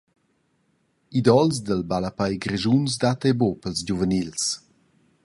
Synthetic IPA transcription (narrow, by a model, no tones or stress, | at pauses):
id̪ɔls̬d̪əlbalapajɡɾɛʒuns̬d̪at̪ɛbopəlsd͡ʑuvənils